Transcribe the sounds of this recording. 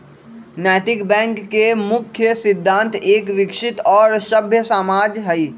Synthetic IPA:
nɛːʈ̪ɪkbɛ̃ːŋkːemʊkʰːjəsɪd̪ʱːãːnt̪eːkʋɪkʃɪt̪ɔːɾsɐbʱjəsamaːd͡ʒɦɐiː

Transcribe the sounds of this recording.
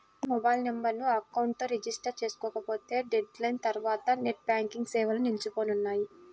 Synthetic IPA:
mɔbɐjlnembɐɾnuɐkːɐwɳʈ̚t̪oːɾed͡ʒisʈɐɾt͡ʃe̞ːsu̥kɔːkɐpo̞ːt̪e̞ːɖeɖlɐjnt̪ɐɾuʋaːt̪ɐneʈ̚bʲaːŋkiŋɡsɛːʋɐlɐnilt͡ʃupo̞ːnunːaːji

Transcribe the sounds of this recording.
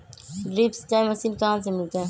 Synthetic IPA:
ɖɾiːpst̪ãməsiːnkəɦãːnsemɪlt̪aɦɛ̃ː

